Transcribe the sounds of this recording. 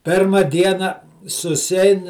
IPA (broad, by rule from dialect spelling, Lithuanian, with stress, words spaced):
ˈpʲɪrmɐ ˈdʲiɛnɐ sʊsʲɪˈɐɪn